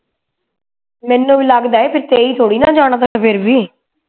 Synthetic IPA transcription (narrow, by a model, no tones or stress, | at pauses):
mɛ̃ːnːũːʋiːləɡd̪aːeːpʰɪɾt̪eːiːt̪ʰoːɽiːnãːd͡ʒaːɽ̃ãːt̪̬ããːpʰɪɾbiː